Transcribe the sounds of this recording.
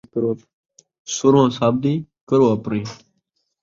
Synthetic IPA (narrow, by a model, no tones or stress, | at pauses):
kɾ | suɾãːsaːb̚d̪i | kəɾoːapɾĩː